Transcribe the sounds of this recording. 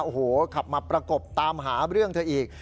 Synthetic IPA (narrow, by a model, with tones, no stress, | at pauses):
ʔo˧˩hoː˨˩˦kʰa˨˩p̚maː˧pɾa˧ko˨˩p̚t̪aː˧mɦaː˩˦ɾɯ˥˩əŋt̪ʰɯ˧ʔiː˨˩k̚